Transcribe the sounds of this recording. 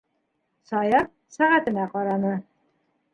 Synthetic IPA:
sɑjɑp̚ | sæʁæt̪ɘ̆mæqɒɾɑnɤ

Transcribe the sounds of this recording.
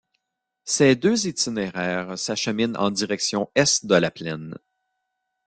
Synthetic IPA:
sed̪øzit̪ineʁɛːʁsaʃəmɪnɑ̰̃d̪iʁɛksjɔ̃ɛsd̪əlaplɛn

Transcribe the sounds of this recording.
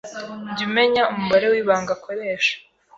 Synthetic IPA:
ɲɟime̞ɲaumuβaɾe̞wiːβaːŋɡakʰo̞ɾe̞ːʃḁ

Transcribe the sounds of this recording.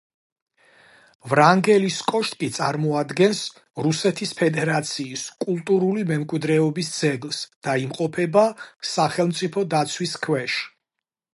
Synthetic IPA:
vɾaŋɡɛliskʼɔʃt̪ʼkʼit̪sʼaɾmɔad̪ɡɛns | ɾusɛt̪ʰispʰɛd̪ɛɾat̪sʰiːskʼulˠt̪ʼuɾulimɛmkʼwid̪ɾɛɔbisd̪zɛɡlˠsd̪̥aimqʼɔpʰɛbasaχɛlˠmt̪sʼipʰɔd̪at̪sʰwiskʰwɛʃ

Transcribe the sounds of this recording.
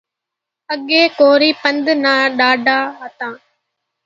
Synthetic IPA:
əɠeːkoːɾiːpənd̪nãːɗaːɖaːɦət̪ãː

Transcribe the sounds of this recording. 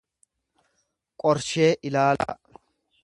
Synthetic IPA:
kʼɔɾʃe̞ːʔɪlaːla̰ː

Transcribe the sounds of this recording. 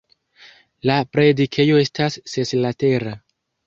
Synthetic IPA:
lapɾe̞dikʰe̞jo̞e̞stasːeslate̞ɾa

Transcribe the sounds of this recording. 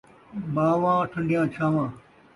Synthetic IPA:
baːʋãːʈʰə̃ɳɖjãːt͡ʃʰaːʋãː

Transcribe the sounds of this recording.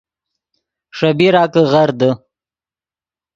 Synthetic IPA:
ʂabiɾɑːkəɣaɾd̪ə

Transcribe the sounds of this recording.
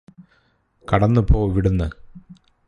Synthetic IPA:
kɐɽɐnːɨpo̞ːʋiɽunːɨ

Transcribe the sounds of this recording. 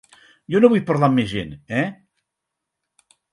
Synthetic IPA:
jɔnoβujpəɾlamːezʒḛnɛ

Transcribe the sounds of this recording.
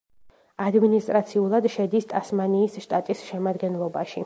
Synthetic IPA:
ad̪minist̪ʼɾat̪sʰiulˠad̪ʃɛd̪ist̪ʼasmaniːsʃt̪ʼat̪ʼisʃɛmad̪ɡɛnlˠɔbaʃi

